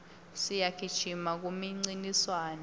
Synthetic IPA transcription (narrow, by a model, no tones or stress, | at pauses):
sijakʰi̥t͡ʃʰimak̬umiŋ͡ǀiniswaːna